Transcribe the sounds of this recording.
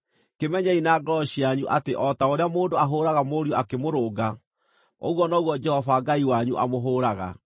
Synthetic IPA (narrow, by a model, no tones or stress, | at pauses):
kemɛɲɛinaɡɔɕiaɲuʔateʔɔtaoɾeamoːndoaɦoːɾaɣamoɾiɔakemoɾoːɡa | o̰ɣwɔnɔɣwɔd͡ʒɛhɔvaɡaiwaɲuʔa̰moɦoːɾaɣa̰